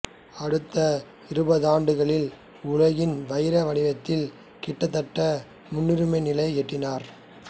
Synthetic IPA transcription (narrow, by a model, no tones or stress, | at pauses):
ɐɽɯt̪ːɐ | ɪɾɯbɐðaːɳɖɯɣɐɭɪl | ʊlɐɣɪnʋɐjɾɐʋɐɽɪʋɐt̪ːɪl | kɪʈːɐt̪ːɐʈːɐ | mʊnːɪɾɯmɐɪnɪlɐɪɛʈːɪnaːɾ